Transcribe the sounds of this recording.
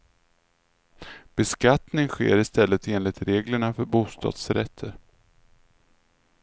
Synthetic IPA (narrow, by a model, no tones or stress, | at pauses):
b̥ɛskat̪nɪŋɧḛːɾɪst̪ɛlːət̪eːnlɪt̪ɾeːɡləɳafœɾbuːst̪ɑ̰ːd̪̥sɾɛ̰t̪ʰːəɾ